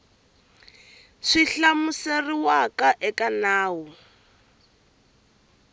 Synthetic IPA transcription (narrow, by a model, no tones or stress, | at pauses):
ʂiɬamuseriwakaʔɛkʼanaːwʊ